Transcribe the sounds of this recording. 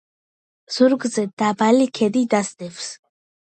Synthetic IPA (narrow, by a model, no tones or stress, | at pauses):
z̥uɾɡzɛd̪abalikʰɛd̪id̪asd̪ɛvs